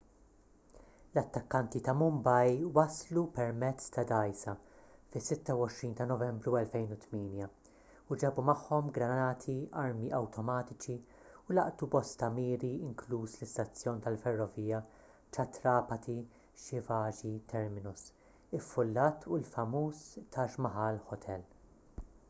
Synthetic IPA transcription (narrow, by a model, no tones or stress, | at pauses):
lɐt̪ːɐkːɐnt̪it̪ɐmʊmbɐjwɐslupɛɾmɛt͡sːt̪ɐd̪ɐjsɐfɪsːɪt̪ːɐwɔʃɾiːnt̪ɐnɔvɛmbɾuɛlfɛjnut̪miːnjɐ | ʊd͡ʒɛbumɐħːɔmɡɾɐnɐːt̪ʰiʔɐɾmiʔɐwt̪ʰɔmɐːt̪ɪt͡ʃi | ʊlɐ̰ʔt̪ubɔst̪ɐmiːɾiɪŋkluːslɪst̪ɐt͡sːjɔːnt̪ɐlfɛrːɔviːjɐ | t͡ʃɐt̪ɾɐːpɐt̪ʰi | ʃɪvɐːd͡ʒit̪ʰɛɾmɪnʊs | ɪfːʊlːɐːt̪ʰulfɐmuːst̪ɐːʃmɐħɐlħɔt̪ʰɛl